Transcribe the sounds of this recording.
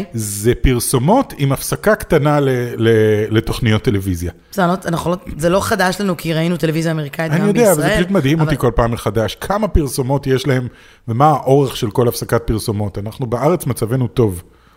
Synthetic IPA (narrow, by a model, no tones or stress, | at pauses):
zepiʁso̞mo̞timafsakakt̪analelelet̪o̞χnijot̪ːe̞le̞vizja | zealotanaχolozelo̞χad̪aʃlanukʰiʁainut̪e̞levizjaːme̞ʁikaitːanijod̪eavvlzepaʃut̪mad̪himo̞tiko̞lpaːmeχadaʃkʰamapiʁso̞mo̞tjeʃlahe̞m | vemaːʔo̞ʁeχʃelko̞lafsakat̚piʁso̞mo̞t̪anaχnubeʔaʁet͡smat͡save̞nut̪o̞v